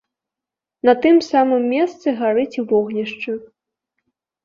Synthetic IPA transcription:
nɐt̪ɨmsamɨmːʲɛst̪sɨɣaɾɨt͡sʲivɔɣnʲiʂt͡ʂɨ

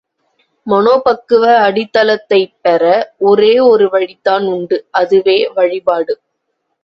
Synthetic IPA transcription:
mɐnoːpɐkːɯʋɐɐɽɪt̪ːɐlɐt̪ːɐɪpːɛɾɐɔɾeːɔɾɯʋɐɻɪt̪ːaːnʊɳɖɯʔɐðɯʋeːʋɐɻɪpaːɽɯ

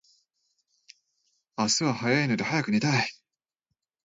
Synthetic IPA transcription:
asɨβahajaino̞d̪e̞hajakɯ̟nʲit̪ai

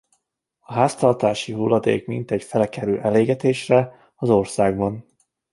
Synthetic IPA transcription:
ɒɦaːst̪ɒrt̪aːʃiɦulːɒd̪ḛːkmḭnt̪ɛcfɛlɛkɛɾy̰ːʔɛleːɡɛt̪eːʃrɛ | ɒzorsaːɡbɒn

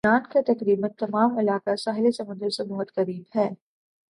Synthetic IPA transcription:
aːʈkat̪ɐkɾiːbənt̪ɐmaːmɪlaːkasaːɦɪlesɐmə̃nd̪əɾsebɔɦɔt̪xɐɾiːbɦɛː

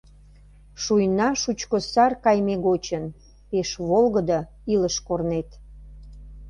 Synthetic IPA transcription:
ʃujnɑʃut͡ɕkosɑrkɑjmeɣot͡ɕən | peʃβolɣəd̪ə | iləʃkornet̪

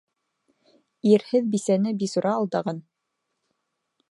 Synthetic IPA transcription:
iɾhɘðbisænɘbisuɾɑːlˠd̪ɑʁɑn

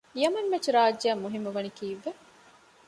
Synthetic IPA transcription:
ijɐmɐnːet͡ʃiɾaːd͡ʒamːuɦimːɐʋɐnikiːʋːe

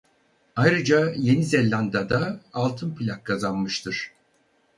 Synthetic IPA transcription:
ajɾɯd͡ʒaje̞nizɛlʲːand̪ad̪aːlˠt̪ʰɯnpʰilʲakːʰazanmɯʃt̪ʰɯɾ̥

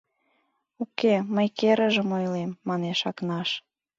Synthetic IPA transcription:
ukeməjkeɾəʒəmojlemːɑneʃɑknɑʃ

